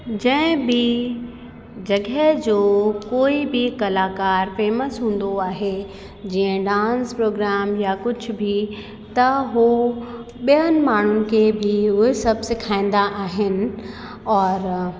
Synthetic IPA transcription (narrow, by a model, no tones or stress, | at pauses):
d͡ʑɛ̃ɪ̃bʱi | d͡ʑɐɡɛɦd͡ʑoːkoːibʱikɐlaːkaːɾfeːməsɦũːn̆d̪oaːɦe | d͡ʑiːə̃ɖãːnspɾoːɡɾaːmjakʊd͡ʑʱʊ̆bʱi | t̪ɐɦo | ɓijənɪ̆maːɳ̤ʊnɪ̆kʰebʱiɦʊɦɪsɐbʱsekʰãːĩnd̪aʔaːɦɪnɪ̆ | ɔːɾ